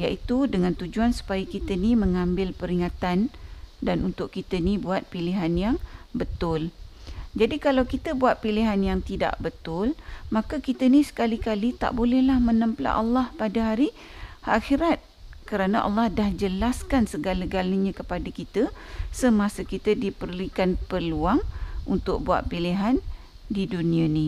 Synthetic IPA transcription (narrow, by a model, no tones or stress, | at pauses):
ja̰ʔit̪udəŋãnt̪ud͡ʒuansu̥pajəkit̪ənĩmə̃ŋãmbɪlpəɾiŋat̪andanʔunt̪ʊʔkit̪ənibuat̪̚piliɦanjaŋbət̪ʊld͡ʒadikalawkit̪əbuat̪̚piliɦanjaŋt̪ida̰ʔbət̪ʊlmakakit̪ənisə̥kalikalit̪a̰ʔbolɛhlahmə̃nəmpla̰ʔɑlːɑhpadaɦaɾi | a̰xiɾat̪̚kəɾanaʔɑ̰lːɑhdahd͡ʒəlaskansəɡaləɡaləɲãkəpadakit̪əsəmãsəkit̪ədipərlukanpərluaŋunt̪ʊk̚bua̰t̪̚piliɦan | didunĩənĩ